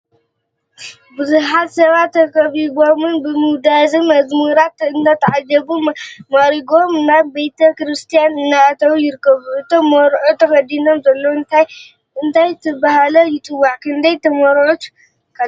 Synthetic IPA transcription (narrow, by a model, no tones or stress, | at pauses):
bɨzuħat̪sɐβat̪ːɐkʼɐβiɡo̞mɨnbɨmɨwd̪azɨmɐzmɨɾat̪ɨnd̪at̪ʰɐʕad͡ʒɐbumaɾiɡomɨnːabejt̪ʰɐkɾɨst̪ʰijanɨnːaːt̪ʰɐwjɪɾɨkʰːɐβuʔɨt̪ʰomːɐɾʕut̪ʰɐkɐd̪ino̞mzɐlːo̞ɨnt̪ʰaj | ʔɨnt̪ʰajt̪ʰɨbahalɐjɪt̪ʼɨwːaʕkʰɨnd̪ɐjt̪ʰɐmɐɾʕut̪ | kʰa